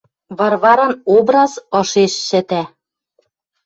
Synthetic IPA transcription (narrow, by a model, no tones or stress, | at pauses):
βɑrβɑɾɑnobɾɑzɤ̆ʃeʃːɘ̆t̪æ